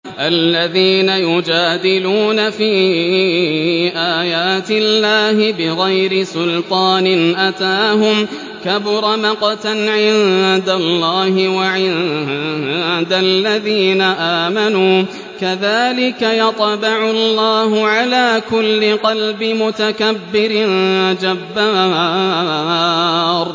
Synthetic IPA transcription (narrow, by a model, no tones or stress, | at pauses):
ʔalːaðiːnajʊd͡ʒaːd̪ɪluːnafiː | ʔaːjaːt̪ɪlːaːhɪbɪɣajɾɪsʊlt̪ˤɑːnɪnʔat̪aːɦʊm | kabʊɾˤɑmɑqɑt̪anʕɪnd̪alːɑːhɪwaʕɪð | d̪alːaðiːnaʔaːmanuː | kaðaːlɪkajɑt̪ˤbɪʕʊlːɑːɦʊʕalaːkʊlːɪqɑlbɪmʊt̪akabːɪɾɪnd͡ʒabːaː | ɾ